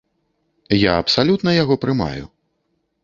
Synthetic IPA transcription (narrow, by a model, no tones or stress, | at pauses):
ja̰ɐpsalʲut̪nɐjaɣɔpɾɨma̰jṵ